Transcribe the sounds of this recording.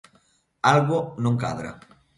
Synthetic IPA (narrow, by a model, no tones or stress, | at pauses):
alɣonoŋka̰ðɾa̰